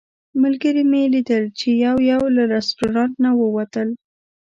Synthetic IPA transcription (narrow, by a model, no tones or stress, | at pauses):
malɡəɾimelid̪əlt͡ʃejawjawlaɾasʈoɾɑnt̪nawəwat̪əl